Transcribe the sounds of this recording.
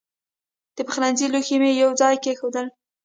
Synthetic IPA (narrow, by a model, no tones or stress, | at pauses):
d̪̥əpəxɾanziloximejawd͡zɑjkexod̪əl